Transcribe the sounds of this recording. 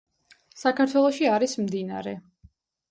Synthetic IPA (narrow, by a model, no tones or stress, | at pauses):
sakʰaɾt̪ʰwɛlˠɔʃiaɾismd̪ina̰ɾɛ